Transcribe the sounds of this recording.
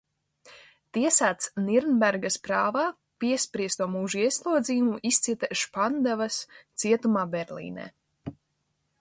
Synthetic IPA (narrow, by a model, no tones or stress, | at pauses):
t̪iɛsaːt̪sniɾnbæɾɡaspɾaːvaː | piɛspɾiɛst̪uɔmuːʒuiɛslˠuɔd̪zijumuʔist̪siɛt̪aʃpand̪avast̪siɛt̪umaːbɛɾlḭːnɛ̰ː